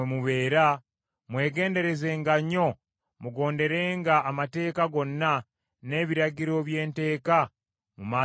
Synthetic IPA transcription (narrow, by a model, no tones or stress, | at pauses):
emuβe̞ːɾa | mwe̞ːɡe̞ːnde̞ɾe̞ze̞ŋɡaɲo̞ | muɡo̞ːnde̞ɾe̞ːŋɡaːmate̞ːkaɡo̞nːa | ne̞ːβiɾaɟiɾo̞βje̞ːnte̞ːka | mumaː